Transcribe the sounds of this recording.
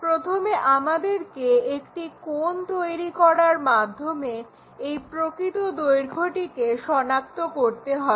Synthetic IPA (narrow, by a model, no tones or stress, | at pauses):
pɾot̪ʰomeʔamad̪eɾkeekʈikont̪ojɾikɔɽaɾmad̪ʱːome | ejpɾokɾit̪od̪ojɾɡʱoʈikeʃɔnak̚t̪okoɾt̪eɦɔe